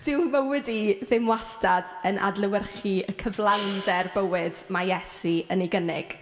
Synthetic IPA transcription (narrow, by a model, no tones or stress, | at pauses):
d̥ɪwməwɨdiðɪmwastadənʔa̰dlˠəwərχiəkʰəvlˠawndɛrbəwɪdmajɛsiəniɡənɪ̰ɡ̥